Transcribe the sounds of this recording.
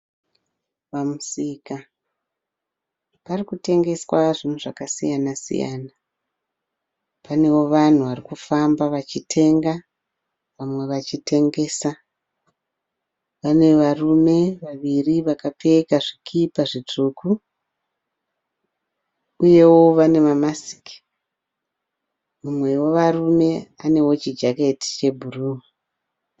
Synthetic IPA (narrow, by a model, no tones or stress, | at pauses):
ʋamusiːka | parikute̞ŋɡe̞swaʐinuʐakasḭjanasḭja̰ːna | pane̞wo̞ʋan̤uʋarikufambaʋat͡ʃitʰe̞ŋɡa | ʋamwe̞ʋat͡ʃitʰe̞ŋɡe̞ːsa | ʋane̞ʋarume̞ʋaʋiriʋakape̞kaʐikʰipaʐit͡ʂuku | uje̞wo̞ʋane̞mamasi̥ki̥ | mumwe̞wo̞ʋarume̞ane̞wo̞t͡ʃid͡ʒake̞ti̥t͡ʃe̞bʱuruːwa